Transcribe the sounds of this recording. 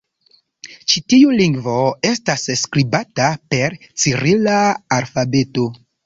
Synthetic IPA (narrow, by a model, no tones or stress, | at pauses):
t͡ʃitiuliŋɡvo̞e̞stasskɾibatape̞ɾt͡siɾilaːlfabe̞to̞